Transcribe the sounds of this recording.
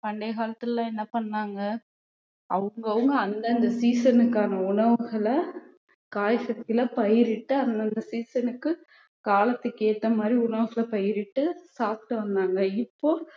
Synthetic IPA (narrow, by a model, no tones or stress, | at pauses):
pɐɳɖeːɣaːlɐt̪ːɯllãːɛnːɐpɐɳːaːŋɡɐ | ʔɐ̰ʋɯŋɡɐʋɯŋɡɐɐnd̪ɐːnd̪ɐsiːsɐnɯkːaːnɐʊɳɐʋɯɣɐɭɐ | kaːjsɐt̪ɪlɐpɐjɪɾɪʈːɯɐnd̪ɐnd̪ɐsiːsɐnɯkːɯ | kaːlɐt̪ːɯkːeːt̪ːɐmaːd̪ɾiʊɳɐʋɯɣɐɭɐpɐjɪɾɪʈːɯsaːp̚ʈɯʋɐnd̪aːŋɡɐɪpːoː